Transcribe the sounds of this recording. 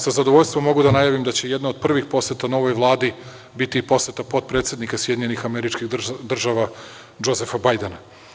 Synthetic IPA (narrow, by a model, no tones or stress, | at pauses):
sazad̪oʋo̞ʎʲst̪ʋomːo̞ɡud̪anajaʋimd̪at͡ɕe̞je̞d̪nao̞d̪̚pr̩ʋixpo̞set̪ano̞ʋo̞jʋlˠaːd̪i | bit̪ipo̞set̪apo̞t̪̚pɾe̞t̪sje̞d̪nikasjed̪iɲenixameɾit͡ʃkiɣd̪r̩ʒaʋa | d͡ʒo̞zefabajd̪ena